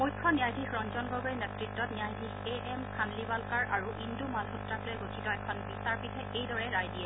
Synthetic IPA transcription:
mujkʰːɔnijajdʱixɹɔnzɔnɡɔɡinɛtɹitːɔtnijajdʱixeʔɛmkʰanlibalkaɹʔaɹuʔindumalɦutɹaklojɛɡotʰitɔɛkʰɔnbistaɹpitʰɛejdɔɹɛɹajdijɛ

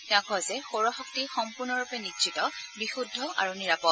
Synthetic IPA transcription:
ãkɔzɛxoɹɔxɔk̚tixɔmpuɹnɔɹupɛnitʃitɔbixudʱːɔʔa̰ɹuniɹapɔt

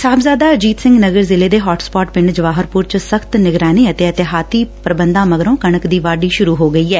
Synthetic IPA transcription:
saːbzaːd̪aːəd͡ʒiːt̪sɪ̃ŋɡnəɡəɾzɪleːd̪eːɦɔːʈspɔːʈpɪ̃ɳɖd͡ʒəʋaːɦəɾpʊɾt͡ʃsəkʰt̪nɪɡɾaːneːət̪eːət̪ɪɦaːt̪iːpɾəbənd̪ãːməɡɾõːkəɳəkd̪iːʋaːɖiːʃʊɾuːɦoːɡəiːɛː

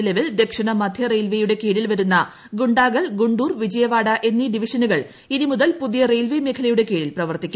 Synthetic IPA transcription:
lɐʋild̪e̞kʂɐɳɐmɐd̪ʱjɐrejlʋejuɽe̞keːɽilʋɐɾunːɐ | ɡuɳɖaːɡɐɭɡuɳɖuːrʋid͡ʑɐjɐʋaːɽɐʔe̞nːiɖiʋiʂɐnuɣɐɭ | inimuðɐlpuðijɐrejlʋemekʰɐlɐjuɽe̞ke̞ːɽilprɐʋɐrt̪ikʲːu

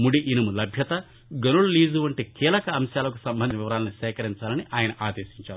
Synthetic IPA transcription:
muɽiʔinɐmulɐbʱjɐt̪ɐ | ɡɐnululiːzuʋɐɳʈikiːlɐkɐːmʃjaːlɐkusɐmbɐnd̪ɐʋiʋɐɾaːlɐnisɛːkɐɾiɲt͡ʃaːlɐniʔaːjɐnɐʔaːd̪eːʃiɲt͡ʃaːɾu

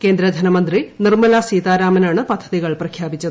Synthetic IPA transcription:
keːnd̪ɾɐd̪ʱɐnɐmɐnd̪rinirmɐlaːsiːt̪aːɾaːmɐnaːɳɨpɐd̪ʱːɐðiɣɐɭprɐkʰjaːbit͡ɕːɐðɨ

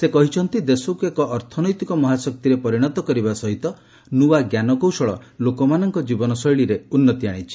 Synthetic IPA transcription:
sekɔɦit͡ʃʰɔnt̪id̪esokekɔʔːɾt̪ʰɔnɔjt̪ikɔmɔɦasɔk̚t̪iɾepɔɾiɽ̃ɔt̪ɔkɔɾiβasɔɦit̪ɔ | nuaɡjanɔkowsɔɭɔ̰lokɔmanɔŋkɔd͡ʒibɔnɔsɔjɭiɾeunːɔt̪iaɽ̃it͡ʃʰi̥

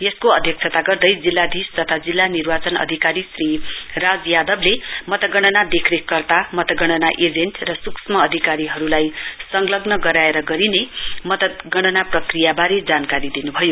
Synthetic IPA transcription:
jeskoʌd̪ʱjʌk̚t͡sʰʌt̪aɡʌrd̪ʌjd͡zilːad̪ʱist̪ʌt̪ʰad͡zilːanirbat͡sʌnʌ̰d̪ʱikaɾisrirad͡zjad̪ʌblemʌt̪ʌɡʌɽ̃ʌnad̪ekʰɾekːʌrt̪amʌt̪ʌɡʌɽ̃ʌnaʔed͡zeɳʈrʌsuksmʌːd̪ʱikaɾiɦʌɾulajsʌŋlʌɡnʌɡʌɾaeɾʌɡʌɾinemʌt̪ʌt̪ɡʌɽ̃ʌnaprʌkrijabaɾed͡zankaɾid̪inubʱʌjo

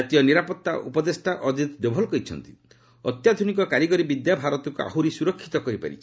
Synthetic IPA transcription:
at̪ijɔniɾapɔt̪ːaʔṵpɔd̪esʈaʔɔd̪ʱit̪d̪obʱɔlkɔjt͡ʃʰɔ̰nt̪i̥ | ɔt̪jad̪ʱunikɔkaɾiɡɔɾibid̪jabʱaɾɔt̪ɔkua̰ɦuɾisuɾɔkʰːit̪ɔkɔɾipa̰ɾḭt͡ʃʰi̥

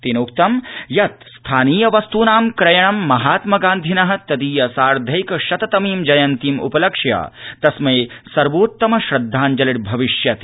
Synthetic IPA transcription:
t̪inoːkt̪ɐmjɐt̪st̪ʰaːniːjɐʋɐst̪uːnaːmkɾɐjɐɳ̃ɐmːɐɦaːt̪mɐɡaːnd̪ʱinɐɦɐt̪ɐd̪iːjɐsaːɾd̪ʱɐjkɐʃɐt̪ɐt̪ɐmiːmd͡ʒɐjɐnt̪imṵpɐlɐkʂja̰ːt̪ɐsmeːsɐɾʋoːt̪ːɐmɐʃɾɐd̪ʱːaːnd͡ʒɐliʈ̚bʱɐʋiʃjɐt̪

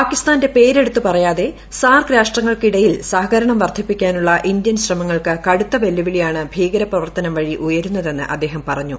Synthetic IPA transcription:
paːkːist̪aːnde̞pe̞ːɾe̞ɽut̪ːupɐrɐjaːðe̞ | saːrkɾaːʂʈrɐŋːɐɭkiɽɐjilsaːɦɐkɐɾɐɳɐmʋɐrd̪ʱipːikʲːaːnuɭːɐʔind̪jɐnɕrɐmɐŋːɐɭkɨkɐɽut̪ːɐʋe̞lːuʋiɭijaːɳɨbʱiːɡɐɾɐprɐʋɐrt̪ɐnɐmʋɐɻiʔujɐɾunːɐðe̞nːɨ̰ʔɐd̪ːe̞ːɦɐmpɐrɐɲːu

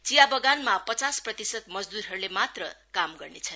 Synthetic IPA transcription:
t͡sijabʌɡanmapʌt͡sasprʌt̪isʌd̪̚mʌd͡zd̪uɾɦʌɾulemat̪rʌ̰kamɡʌrnet͡sʰʌn

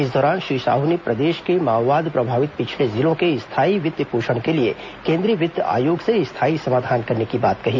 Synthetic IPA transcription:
ɪs̬d̪ɔːɾaːnʃɾiːʃa̰ːɦunipɾɐd̪eːʃkemaːwːaːd̪pɾɐbʱaːʋɪt̪̚pɪt͡ʃʰlezɪlõkeɪst̪ʰaːiʋɪd̪jəpuːʃəɽ̃kelie | kẽːnd̪ɾiːʋɪd̪ja̰ːjoːɡseɪst̪ʰaːisɐmaːd̪ʱaːnkɐɾnekibaːt̪kɐɦiː

